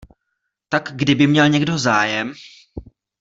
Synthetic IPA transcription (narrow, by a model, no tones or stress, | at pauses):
t̪akɡdɪbɪmɲɛlɲɛɡdo̞zaːjɛm